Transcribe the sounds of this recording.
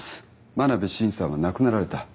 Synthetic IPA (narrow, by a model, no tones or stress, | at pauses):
manabeɕĩñsãanakɯnaɾaɾe̞t̪a